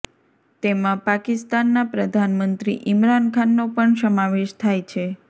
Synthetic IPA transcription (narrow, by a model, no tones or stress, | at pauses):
t̪emãpakist̪anːapɾəd̪ʱanmənt̪ɾḭʔɪmɾankʰanːopəɳsəmaʋeʃt̪ʰajt͡ʃʰe